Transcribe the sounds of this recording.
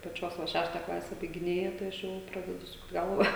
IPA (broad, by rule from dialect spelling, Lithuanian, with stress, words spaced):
pɐˈt͡ʃʲoːs ʋɐ ˈʃʲæːʃtɐ ˈklˠɑːsʲɛ bɐɪɡʲɪˈnʲeːjɛ tɐɪ ˈɐʃ ˈjɛʊ ˈprɑːdʲɛdʊ ˈsʊkt ˈɡɐlˠʋɐ